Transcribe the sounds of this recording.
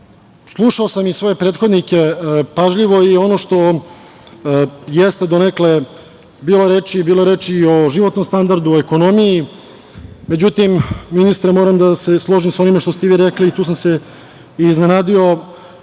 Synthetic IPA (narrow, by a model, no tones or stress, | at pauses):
slˠuʂaosamisʋo̞je̞pɾeːt̪xo̞d̪nike̞paʒʎʲiʋo̞io̞no̞ʂt̪o̞ | jest̪e̞d̪onekle | biːloɾeːt͡ʃibiːloɾeːt͡ʃio̞ʒiʋo̞t̪no̞mst̪and̪aɾd̪uoeko̞no̞miji | me̞d͡ʑut̪imːinist̪ɾemo̞ːɾamd̪aseslˠo̞ʒimso̞nimeʃt̪o̞st̪ɛʋiɾekliːt̪uːs̬amse̞ | iːzne̞naːd̪io̞